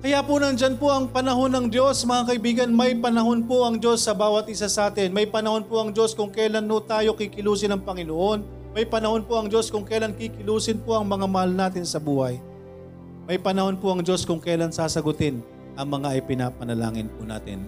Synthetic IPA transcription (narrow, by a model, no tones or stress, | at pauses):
kɐjapʊnɐnd͡ʒanpoʔɐŋpɐnɐɦo̞nːɐŋd̪jo̞smɐŋakɐʔɪbiːɡɐnmɐjpɐnɐho̞npoʔɐŋd͡ʒo̞sːɐbaːwɐt̪̚ʔɪsasɐʔaːt̪ɪnmɐjpɐnɐho̞npoʔɐŋd͡ʒo̞skʊŋkɛjlanːot̪aːjokikɪluːsɪnɐŋpɐŋɪnoʔo̞n | mɐjpɐnɐho̞npoʔɐŋd͡ʒo̞skʊŋkɛjlankikɪluːsɪnpoʔɐŋmɐŋamɐhalnaːt̪̬ɪnsɐbuːhɐj | mɐjpɐnɐho̞npoʔɐŋd͡ʒo̞skʊŋkɐjlaŋsaːsɐɡʊt̪ɪn | ʔɐŋmɐŋaʔɪpɪna̰ːpɐnɐla̰ːŋɪ̰npʊ̰na̰ːt̪ɪ̰n